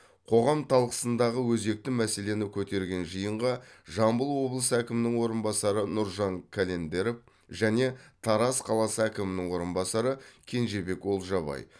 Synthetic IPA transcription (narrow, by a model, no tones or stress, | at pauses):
qʰo̞ʁɑmt̪ʰɑlˠqə̥sənd̪ɑʁəwɵze̞k̚t̪ɪmæse̞le̞nɪkʲʰɵt̪e̞ɾɡʲe̞nʒijəɴʁɑʒɑmbəlˠwo̞blˠəsəækʲɪmɪnɪŋwo̞ɾənbɑsɑɾənʊɾʒɑŋkʲʰæle̞nd̪e̞ɾef | ʒæne̞t̪ʰɑɾɑsqʰɑlˠɑsəækʲɪmɪnɪŋwo̞ɾənbɑsɑɾəkʲʰe̞nʒe̞be̞kwo̞lˠʒɑbɑ̰j